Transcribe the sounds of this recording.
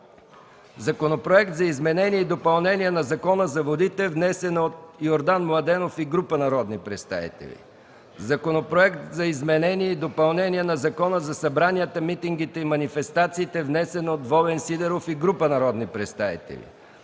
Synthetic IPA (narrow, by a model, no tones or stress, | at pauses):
zɐkonopɾoɛkt̪zɐizmɛnɛniɛid̪opɐlˠnɛniɛnɐzɐkɔnəzɐvod̪it̪ɛvnɛsɛnot̪joɾd̪anmlˠɐd̪ɛnofiɡɾupənɐɾɔd̪nipɾɛt̪st̪a̰vḭt̪ɛ̰lʲḭ | zɐkonopɾoɛkt̪zɐizmɛnɛniɛid̪opɐlˠnɛnʲiɛnɐzɐkɔnəzɐsɐbɾaniət̪əmit̪iŋɡ̟it̪ɛimɐnifɛst̪at̪siːt̪ɛvnɛsɛnot̪vɔlɛnsid̪ɛɾofiɡɾupənɐɾɔd̪nipɾɛt̪st̪avḭt̪ɛ̰lʲḭ